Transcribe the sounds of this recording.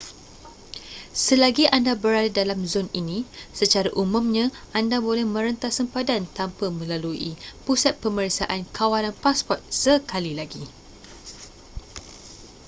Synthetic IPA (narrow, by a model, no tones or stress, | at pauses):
səlaɡiʔandabəɾadadalamzoninĩsət͡ʃaɾaʔumũmɲãʔandabolɛhmə̃ɾənt̪asəmpadant̪ampamə̃laluḭpusat̪̚pəməɾisaʔankʰawalanpaspɔt̪̚səkalilaɡi